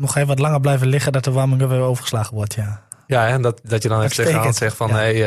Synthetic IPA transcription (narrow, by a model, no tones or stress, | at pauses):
nɔχeːfəʋɔtlaŋəblɛjfvəlɪχədɔtəʋaməŋøʋəowvəχəslaːχəʋɔɹtʰja | jaɛndɔtdɔtjədɔnseksɛxfɔnej